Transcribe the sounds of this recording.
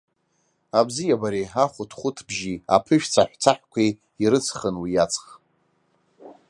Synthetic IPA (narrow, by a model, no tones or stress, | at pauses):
abzijabaɾiaχʷʊtʰχʷʊtʰbʒia̰pʰɨʃᶣt͡sʰaħʷᶣt͡sʰaħʷᶣkʷʰe | iɾɨt͡sʰχənwijat͡sʰʼχ